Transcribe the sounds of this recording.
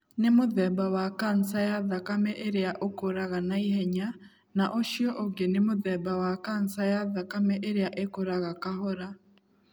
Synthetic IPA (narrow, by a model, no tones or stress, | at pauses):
nemoðɛbawakansajaðakamɛʔeɾeaʔokoɾaɣanaihɛɲa | naʔoʃjɔʔoɡenemoðɛbawakansajaðakamɛʔeɾeaʔekoɾaɣakaɦoɾa